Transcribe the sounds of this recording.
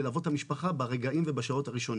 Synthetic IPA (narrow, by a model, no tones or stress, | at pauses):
elavo̞thamiʃpaχabaʁeɡaimvebaʃao̞t̪haʁiʃo̞n